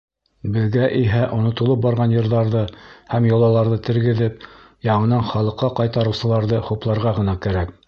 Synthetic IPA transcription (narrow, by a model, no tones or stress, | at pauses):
bɘ̆ðɡæʔiɦæʔŏnŏt̪olˠɤp̚bɑɾʁɑnjɤ̆ɾðɑɾðɤhæmjŏlˠɑlˠɑɾðɤt̪ɘ̆ɾɡɘ̆ðɘp̚ | jɑɴɤ̆nɑɴχɑlˠɤ̆qːɑqɑjt̪ɑɾɤ̆wsɤ̆lˠɑɾðɤχuplˠɑɾʁɑʁɤ̆nɑkæɾæk